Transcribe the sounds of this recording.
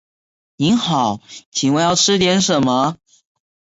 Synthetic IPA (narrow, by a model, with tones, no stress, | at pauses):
ni˧˥nxɑ˨˩˦ʊt͡ɕʰi˨ŋwe˧˩jɑ˥˧ʊʈ͡ʂʰɻ̩˥t̪jɛ˧˥nʂə˨˩nmə˦